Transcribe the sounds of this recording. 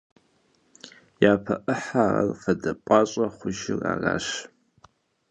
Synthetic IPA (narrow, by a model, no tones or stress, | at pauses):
jaːpʰɐʔəħaːrɐrfɐdɐpʼɑɕʼɐχʷʊʒɪra̰ːraːʃ